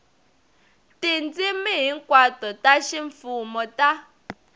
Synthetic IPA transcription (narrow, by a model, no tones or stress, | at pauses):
tind͡zimiɦiŋkwatɔtaʃiɱfumɔta